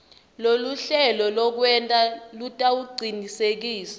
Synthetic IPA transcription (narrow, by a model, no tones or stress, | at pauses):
loluɬɛlɔlɔk̬wɛntʼalutʼauɡ͡ǀʱinisek̬iːsḁ